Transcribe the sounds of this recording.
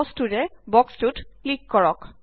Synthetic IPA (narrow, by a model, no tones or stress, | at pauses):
stuɹɛbɔkstutklikːɔɹɔk